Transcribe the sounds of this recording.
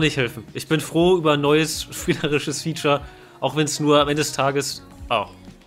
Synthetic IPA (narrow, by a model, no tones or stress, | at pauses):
nɪçthɛlfn̩ʔɪçb̥ɪnfʁ̥oːyːbɐnːɔʏəsʃpiːləʁɪʃəsfiːt͡ʃɐ | ʔaʊxv̥ɛnsnuːɐamʔɛndədɛstʰaːɡəs | ʔaʊx